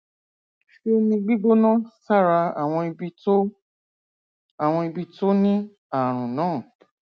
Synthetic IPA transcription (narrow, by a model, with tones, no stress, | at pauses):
ʃe˦nĩ˧ɡ͡bi˦ɡ͡bo˦nã˦sa˦˨ɾa˧a˨w̃ɔ̃˧i˧bi˧to˦ | a˨w̃ɔ̃˧i˧bi˧to˦nĩ˦ | a˦˨ɾ̃ũ˨nãː˨˦˨